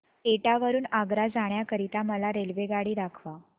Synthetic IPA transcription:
eʈaʋəɾuːnaɡɾad͡zaɳ̃jakəɾit̪aməlaɾelʋeɡaɽiːɾakʰʋa

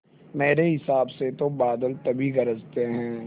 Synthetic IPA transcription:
meːɾeɦɪsaːbset̪obaːd̪əlt̪ɐbʱiɡɐɾəzt̪eɦɛ̃ː

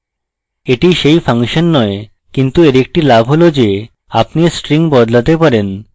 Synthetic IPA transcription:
eʈiʃejfʰaŋʃonːɔe | kint̪ueɾek̚ʈilabʱɦolod͡ʑe | apnisʈɾiŋbɔd̪lat̪epaɾen

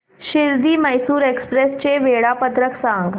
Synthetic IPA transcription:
ʃɪɾd̪iːmɐjsuːɾeːkspɾeːst͡ʃeʋeːɽapət̪ɾəksãːŋɡ

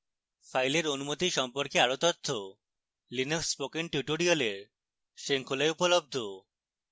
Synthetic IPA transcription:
fajleɾonumot̪iʃɔmpoɾkeaɾot̪ot̪ʰːo | linokspokenʈjuʈoɾioleɾ | ʃeŋkʰolajupolob̚d̪ʱo

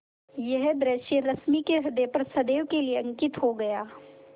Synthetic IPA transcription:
jɐɦd̪ɾeʃjeɾɐsmikeɦɪd̪epɐɾsɐd̪eːʋkelieɐ̃ŋkɪt̪ɦoɡɐjaː

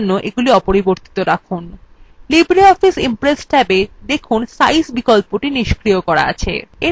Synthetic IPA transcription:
nːoʔeɡuliɔpoɾiboɾt̪i̥t̪oɾakʰunlibɾiɔfisimpɾesʈɛbed̪ekʰunsa̰jsbikolpoʈiniʃkɾiokɔɾa̰a̰t͡ɕʰḛe

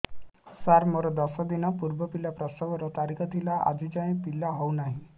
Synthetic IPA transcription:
saɾmoɾɔd̪ɔsɔd̪inɔpuɾbɔpilapɾɔsɔɡɔɾɔt̪aɾikʰɔt̪ʰilaʔa̰d͡ʒid͡ʒãĩpilːaɦɔwnaɦĩ

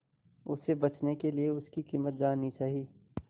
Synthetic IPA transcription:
ʊsebɐt͡ʃnekelieʊskikiːmət̪̚d͡ʒaːnĩt͡ʃaːɦiː

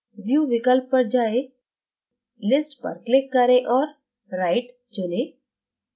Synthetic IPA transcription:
ʋjuːʋɪkəlp̚ːəɽd͡ʒae | lɪsʈpə̰ɾklɪkːəɾẽʔɔːɾ | ɾajʈ | d͡ʒonẽ

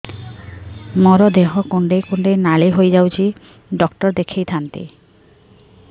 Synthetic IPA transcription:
mɔɾod̪eɦokoɳɖejkoɳɖejnaleɦojd͡ʑawt͡ɕʰi | ɖɔkʈɔɾd̪ekʰejt̪ʰant̪ḭ

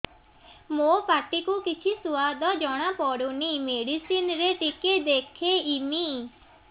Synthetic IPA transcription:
mopaʈ̪ikukɪt͡ʃʰisʊʋad̪ɔd͡ʒɔɽ̃apɔɽunimeɽisinɾeʈiked̪ekʰeimi

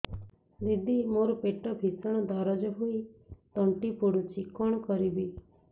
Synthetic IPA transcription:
d̪id̪ʱːimoɾopeʈɔbʱisɔɽ̃ɔd̪aɾɔd͡ʒɔɦuit̪ɔɳʈipuɽũt͡ʃikɔɽ̃kɔɾibi

